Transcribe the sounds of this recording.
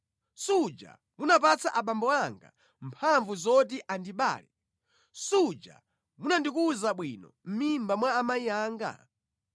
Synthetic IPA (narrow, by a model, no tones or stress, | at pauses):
sud͡ʒa̰ | munapat͡sʰaʔaɓambɔaŋɡa̰ | mpʰaɱvuzɔt̬iʔandiɓa̰ːlɛ | sud͡ʒa̰ | munandik̬uzaɓwinɔ̰m̩mimbamwaːmaiaːŋɡa̰